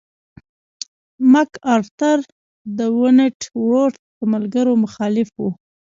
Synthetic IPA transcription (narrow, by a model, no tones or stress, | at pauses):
makɑɾt̪aɾ | d̪əwʊneʈwoɾʈ | d̪əmalɡaɾomʊxɑlɪfwu